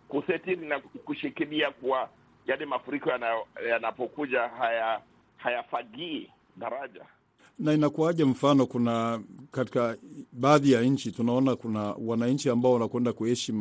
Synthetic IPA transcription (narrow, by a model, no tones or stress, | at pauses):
kusɛtiɾinakuʃikiliakuwa | jalɛmafuɾikɔjanajanapɔkuʄahaja | hajafaɡiː | ɗaɾaʄa̰ | nainakuaʄam̩fanɔkunakati̥kaɓaːðijaɲ̩t͡ʃitunaɔnakunawanaɲ̩t͡ʃiambaɔwanakwɛndakuhɛʃima